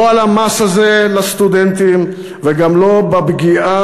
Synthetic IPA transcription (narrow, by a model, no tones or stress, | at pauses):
oalamasazelast̪ud̪ent̪im | veɡamlo̞babɡia